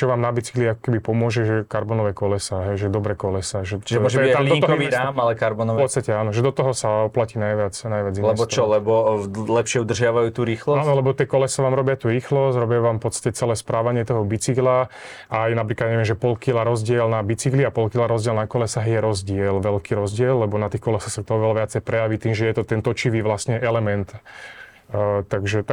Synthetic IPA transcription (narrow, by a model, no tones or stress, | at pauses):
t͡ʃɔʋaːmnabit͡si̥kliakɔ̥kɛbipɔmʊɔʒɛʒɛkaɾbɔnɔʋɛkɔlɛsaɦɛjʒɛd̪ɔbɾɛkɔlɛsaʒɛt͡ʃiʒɛmɔʒaliɔt̪ɔkɔiamalɛkaɾbɔnɔʋpɔt̪st̪acɛaːnɔʒɛd̪ɔt̪ɔɦɔsaɔplaciːnajʋɪat͡snajʋɪad͡zinlɛbɔt͡ʃɔlɛbɔlɛpʃɪɛud̪r̩ʒɪaʋajuːt̪uːɾiːxlɔaːnɔlɛbɔt̪ɪɛkɔlɛsaʋaːmɾɔbɪat̪uːɾiːxlɔsɾɔbɪauʋaːmfpɔt̪st̪ḁcɛt͡sɛlɛːspɾaːʋaɲɪɛt̪ɔɦɔbit͡sikla | ajnapɾiklad̪aɲɛʋɪɛmʒɛpɔlkilaɾɔzɟɪɛlnabit͡sikliapɔlkilaɾɔzɟɪɛlnakɔlɛsaɦjɛɾɔzɟɪɛlʋɛlkiːɾɔzɟɪɛlːɛbɔnat̪iːxkɔlɛsaxsak̚t̪ɔɦɔʋɛlaʋɪat͡sɛjpɾɛjaʋit̪iːmʒɛjɛt̪ɔt̪ɛnt̪ɔt͡ʃiʋiːʋlasɲɛʔɛlɛmɛnt̪ | t̪aɡʒɛt̪